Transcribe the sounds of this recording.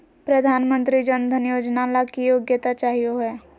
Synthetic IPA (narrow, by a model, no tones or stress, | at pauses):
pɾɐd̪ʱaːnmə̃nt̪ɾid͡ʒənd̪ʱənjoːd͡ʒnalakijoːɡjət̪at͡ʃaːɦijoɦɛː